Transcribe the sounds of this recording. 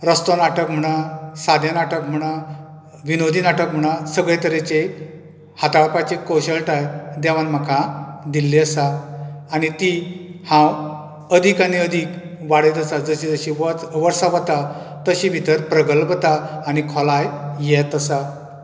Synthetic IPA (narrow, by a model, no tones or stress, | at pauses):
ɾəst̪onaʈəkm̤əɽ̃asad̪ʱjanaʈəkm̤əɽ̃a | ʋinod̪ʱinaʈəkm̤əɽ̃ãsəɡɭet̪əɾet͡ɕe | hat̪aɭpat͡ɕekɔɕəɭʈajd̪ɛʋanm̤akʰãd̪ilːiəsaː | nit̪ihãw | əd̪ʱikaniəd̪ʱik | ʋaɽet̪əsad͡zəɕid͡zəɕiʋʋəɾsaʋət̪a | t̪əɕibʱit̪əɾpɾəɡəlpt̪aːñikʰɔlajjɛt̪əsa